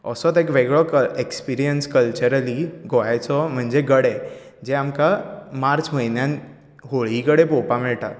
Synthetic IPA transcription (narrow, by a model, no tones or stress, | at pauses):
əsɔt̪ekʋeɡɭɔkekspiɾijənskəlt͡ɕəɾəliɡʱoajt͡sɔm̤əɳd͡ʑeɡəɽe | d͡ʑeamkamaɾt͡sməjnjãn | ɦoɭɦikəɽepopamɛɭʈa̰t̪